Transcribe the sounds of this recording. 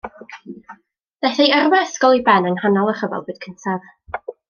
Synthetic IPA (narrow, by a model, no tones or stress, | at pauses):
ðɛθɛjərwɛsɡɔlˠibɛnənhanɔlˠər̥əvɔ̰lˠbɨːd̥̚kʰəntʰav̥